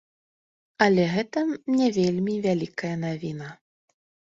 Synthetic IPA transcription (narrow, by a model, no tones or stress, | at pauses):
ɐlʲɛɣɛt̪ɐnʲɛvʲelʲmʲivʲalʲikɐjɐnavʲinɐ